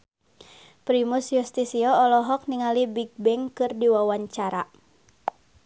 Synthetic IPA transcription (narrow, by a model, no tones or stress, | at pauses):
pɾimusjust̪isiɔɔlɔɦɔk̚niŋalibiɡ̚bɛŋkɨrdiwawaɲt͡ʃaɾa